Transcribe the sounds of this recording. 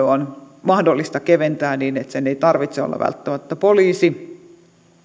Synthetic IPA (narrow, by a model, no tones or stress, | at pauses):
on | mɑhdolːist̪ɑkeʋent̪æːniːnet̪seneit̪ɑrʋit̪seo̰lːɑ̰ʋæ̰lt̪ːæmæt̪ːæpoliːsi